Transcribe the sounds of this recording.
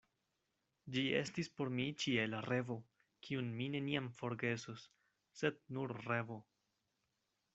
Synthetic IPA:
d͡ʒie̞̰stispo̞ɾmit͡ʃielaɾe̞vo̞ | kʰiunmine̞niamfo̞ɾɡe̞susː | e̞d̚nuɾre̞vo̞

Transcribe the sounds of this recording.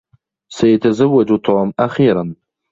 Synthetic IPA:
sajat̪ʰazawːad͡ʒut̪ʰoʕmaχiːɾan

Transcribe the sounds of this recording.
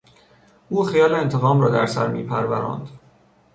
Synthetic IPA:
ʔuːxijɒːleent̪ʰeɣɒːmɾɒːd̪æ̰ɾsæ̰ɾmḭːpʰæɾvæɾɒ̰ːnd̪

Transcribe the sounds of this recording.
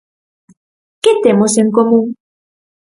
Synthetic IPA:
ket̪emosẽŋkomũŋ

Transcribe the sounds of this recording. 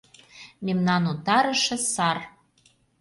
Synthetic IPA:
memnɑnot̪ɑɾə̆ʃɤ̆sɑr

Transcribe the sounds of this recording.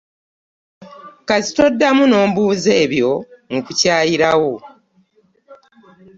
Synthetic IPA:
kazi̥to̞dːamuno̞ːmbuːze̞ːβjo̞mukucaːjiɾawo̞

